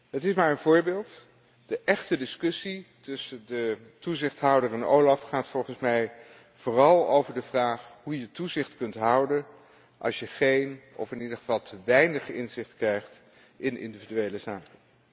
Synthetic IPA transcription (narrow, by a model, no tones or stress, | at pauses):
ɦətɪsmaːɹənvʊːɹbeːlˠt | d̥əʔɛχtədɪskɵsitɵsəndə | tuzɪχtɦʌwdəɹɛno̰wlɑfχaːtfɔlˠχənsmɛj | v̥ʊːrɑlˠo̰wvəɹdəvraːχɦujətuzɪχtkɵntɦʌwdən | ʔɑ̰lˠsjəχejnʔɔ̰fɪnidəχəv̥ɑlˠtʰəʋɛjnəχɪ̰nzɪχtkrɛjχt | ʔɪnʔɪ̰ndividyejləzaːkən